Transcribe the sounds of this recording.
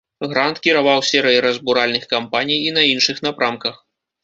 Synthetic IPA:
ɣɾant̪kʲiɾavawsʲɛɾɛjiɾɐzbuɾalʲnɨxkampanʲijːnɐinʂɨxnapɾamkɐx

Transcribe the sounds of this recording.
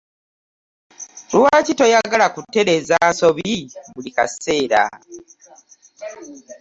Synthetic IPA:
luwaːcito̞jaɡalakutːe̞ɾe̞zaːnso̞βiβulika̰se̞ːɾa̰

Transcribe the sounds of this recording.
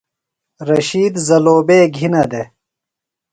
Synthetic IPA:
ɾɐɕiːd̪zɐloːbeːɡʱinɐd̪e

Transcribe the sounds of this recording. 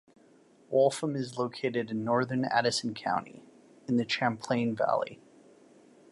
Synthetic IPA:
wɔlˠfə̃mɨzloʊkʰeɪɾɨɾɨ̃nːɔɹðə̃˞næ̰ɾɨsn̩kʰã̰ʊ̃ntḭ | ɨ̃nðɨt͡ʃʰæ̃mpʰl̥ẽɪ̃nvæ̰lˠḭ

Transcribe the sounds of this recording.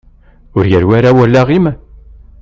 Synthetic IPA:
ʊɾjəɾwæɾawælːaʁim

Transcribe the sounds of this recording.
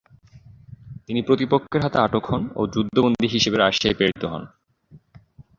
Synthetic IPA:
t̪inipɾot̪ipokʰːeɾɦat̪eaʈokɦɔno̰d͡ʑud̪ʱːobond̪ʱiɦiʃebeɾaʃajpeɾit̪oɦɔ̰n

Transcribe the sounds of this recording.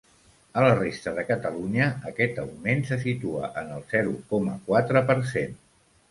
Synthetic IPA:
ələrest̪əðəkət̪əluɲəəkɛt̪əwmensəs̬it̪uə̰ʔənəlˠz̥ɛɾṵkɔmə̰kwat̪ɾəpəɾsen

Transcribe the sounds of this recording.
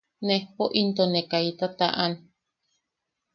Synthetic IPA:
nehpoʔint̪onekait̪at̪aʔan

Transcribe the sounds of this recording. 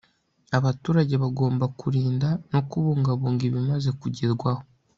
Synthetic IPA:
aβatuːɾaɟe̞βaɡo̞ːmbakuɾiːndano̞kuβuːŋɡaβuːŋɡiβimaze̞kuɟiɾɡwaho

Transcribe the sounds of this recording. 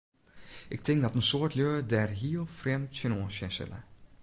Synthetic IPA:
ʔɪk̚tɪŋk̚dɔtənsoːɹtløːdɛrɦiəlˠfrɛmtsənoːsɛsɪ̰lə̰

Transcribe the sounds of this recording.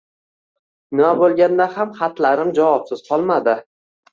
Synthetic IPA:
nɪmabolˠɡʲand̪ahamχat̪laɾɪmd͡ʒavɒpsɪz̥qʰɒlˠmad̪ɪ

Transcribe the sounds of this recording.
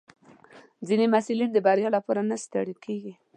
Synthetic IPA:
zinemasulind̪əbaɾjɑlapɑɾanast̪aɽikʰeɡi

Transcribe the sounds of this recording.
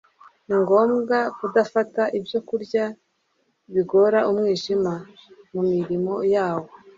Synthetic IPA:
niŋɡo̞ːmɡakudafataʔibjo̞kuɾɟa | βiɡo̞ɾaʔumŋiːʒimamumiɾimo̞jaːwo̞

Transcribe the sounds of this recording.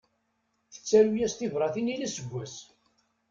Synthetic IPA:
θə̥t͡sːæɾujæst̪ɪvɾˤɑθinilæsəɡʷːæs

